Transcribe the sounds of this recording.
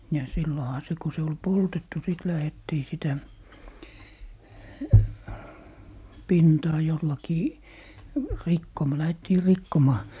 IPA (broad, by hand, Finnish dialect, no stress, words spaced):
jɑ silːohɑ se ko se ol poltetːu sit læhetːiː sitæ pintɑː jolːɑkiː rikːom læhetːiː rikːomɑː